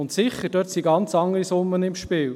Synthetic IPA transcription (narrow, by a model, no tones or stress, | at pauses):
ʊntsɪχəɾdœːtsiɡɑnt͡sɑŋːəɾisʊnːənɪmʃpɪːl